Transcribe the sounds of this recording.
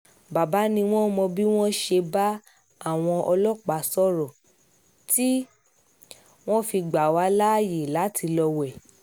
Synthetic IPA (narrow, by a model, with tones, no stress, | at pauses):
ba˨ba˨˦nĩ˧w̃ɔ̃˦mɔ̃˧bi˦w̃ɔ̃˦ʃe˧ba˦ | a˦˨w̃ɔ̃˧ʔɔ˧lɔ˦k͡pa˨˦sɔ˦ɾɔ˨ | ti˦ | w̃ɔ̃˦fi˧ɡ͡ba˨wa˨˦la˦˨je˨la˨˦ti˧lɔ˧wɛ˨